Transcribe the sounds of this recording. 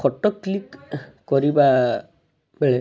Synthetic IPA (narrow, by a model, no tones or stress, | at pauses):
ɔʈɔkːlik | kɔɾiba | bɛɭe